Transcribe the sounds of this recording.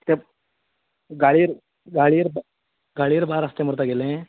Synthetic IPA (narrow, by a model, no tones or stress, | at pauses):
t̪eb | ɡaɭijɾ | ɡaːɭiɾb | ɡaːɭijəɾbaːɾɐst̪emuɾt̪aɡelẽ